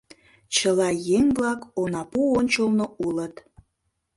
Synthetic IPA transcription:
t͡ɕəlɑjeŋblɑkonɑpuonʲt͡ɕolnoulət̪

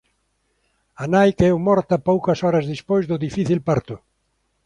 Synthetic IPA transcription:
anajkɛwmɔɾt̪ɐpowkɐsɔɾɐzðispojzðʊðifiθilpaɾt̪ʊ

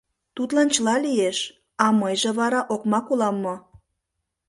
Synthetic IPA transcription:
t̪ut̪lɑnt͡ɕəlɑlijeʃ | ɑməjʒeβɑɾɑʔokmɑkulɑmːo

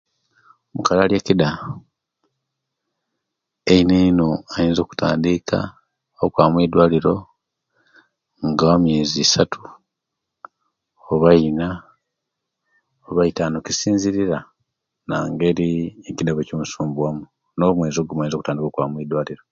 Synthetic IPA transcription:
omukalaljecida | eineino̞ajiːnzo̞ːku̥ta̰ːndikʰa̰ | okwaːmwiːdwaːliɾo̞ | ŋɡawamjeːzisatʰu̥ | oβaina | oβaitanocisiːnziɾiɾa | na̰ːŋɡe̞ɾiecidaβecimusuːmbuwamu | nomwe̞ːzo̞ːɡomajinzo̞kutaːndikokwamwiːdwaːliɾo̞

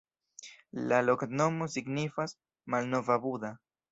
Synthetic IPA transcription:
lalo̞kno̞mosiɡnifas | malno̞vabud̪a

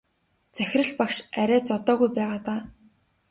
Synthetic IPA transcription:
t͡sæxʲɪ̆rə̆ɮpakʃæɾʲæːt͡sɔt̪ɔːɣujpæːʁaːt̪aː

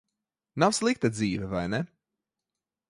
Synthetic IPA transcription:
nawslˠik̚t̪ad̪ziːvʲɛvajnɛ

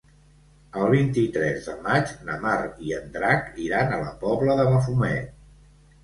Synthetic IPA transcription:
əlˠβint̪it̪ɾɛzðəmad͡ʒnəmaɾiənd̪ɾakiɾanələpɔβləðəβəfumɛt̪

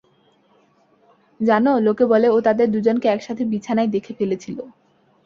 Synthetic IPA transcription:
d͡ʑanolokebɔleot̪ad̪eɾd̪ud͡ʑonkeɛkʃat̪ʰebit͡ɕʰanaed̪ekʰefelet͡ɕʰilo

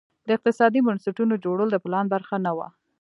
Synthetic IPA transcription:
d̪əɪq̚t̪ɪsɑd̪ibʊnsɪʈunod͡ʒoɽəlod̪əplɑnbaɾxanawa̰

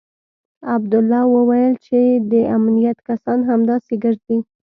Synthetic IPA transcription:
ab̚d̪ʊlːɑwəwajəlt͡ʃed̪əʔamnijat̪kasɑnɦamd̪ɑseɡəʐd̪i

